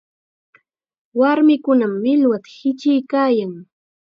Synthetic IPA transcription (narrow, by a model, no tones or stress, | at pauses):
waɾmɪkʊnamːɪlwat̪ḁhɪt͡ʃɪjkaːjaŋ